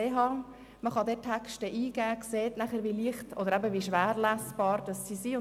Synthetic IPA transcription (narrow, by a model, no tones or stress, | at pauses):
eːɦɑː | məχɑdɛtʰækʃtəʔiːɡ̥æːkseːtnæχəɾʋiliəχtʔɔdəɾæbəʋiʃʋæːɾlæsb̥ɑːɾd̥ɑsːiːsiːʊ